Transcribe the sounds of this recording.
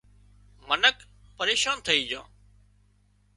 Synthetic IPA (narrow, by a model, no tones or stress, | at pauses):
mənək | pəɾeːʃãːnt̪ʰəiːd͡ʒã̰ː